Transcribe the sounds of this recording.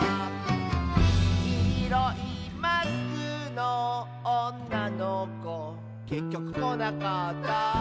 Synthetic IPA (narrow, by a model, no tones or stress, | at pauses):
iɾoʔi | masɨno | onːanoko | kekʲjokɯmonakat̪ːa